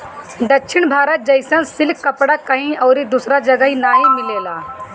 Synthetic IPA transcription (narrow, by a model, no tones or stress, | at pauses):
d̪ɐkːʃʰɪñbʱaːɾət̪̚d͡ʒɐɪsə̃nsɪlkːɐpɽakɐĩɔːɾid̪usɾad͡ʒɐɡəinaːɦimɪleːlaː